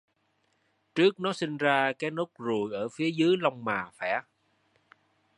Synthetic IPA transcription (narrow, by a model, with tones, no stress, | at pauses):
t͡ɕɨ˦˥ək̚nɔ˨˦si˧ŋ̟zaː˧kaː˨˦jno˦˥k̚zu˨˩jʔəː˧˩fi˨˦əzɨː˨˦jla˧wŋ͡mmaː˨˩fɛ˧˩